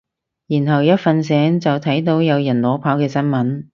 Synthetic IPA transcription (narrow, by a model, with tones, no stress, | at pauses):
jiː˨˩nɦɐ˨˩wjɐ˥t̚fɐ˨nsɛː˨˥ŋt͡sɐ˨wt̪ʰɐ˨˥jt̪̬o˨˧˥wjɐ˨˧wjɐ˨˩nlɔː˨˥pʰaː˨˥wkɛː˧sɐ˥nmɐ˨˥n